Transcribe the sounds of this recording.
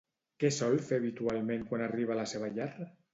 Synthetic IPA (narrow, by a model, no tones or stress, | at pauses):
kɛsɔlfeβit̪ualˠmẽŋkwanariβ̞alaseβ̞aʎɛra